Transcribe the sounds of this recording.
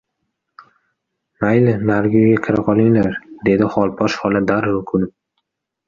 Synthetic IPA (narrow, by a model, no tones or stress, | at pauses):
majlɪnaɾɡʲojɡʲakʲʰɪɾaqʰɒlˠɪŋlaɾd̪e̞d̪ɪχɒlˠpʰɒʃhɒlˠad̪aɾʊkʰʊnɪp̚